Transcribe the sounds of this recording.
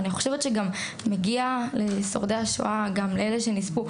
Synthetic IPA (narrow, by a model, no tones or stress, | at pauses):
niχo̞ʃevett͡ʃeɡamː | eɡiale̞so̞̰ʁd̪ehaʃo̰aɡamleeleʃe̞nispu